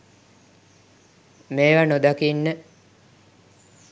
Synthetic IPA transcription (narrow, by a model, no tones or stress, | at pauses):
meːʋanod̪akinːə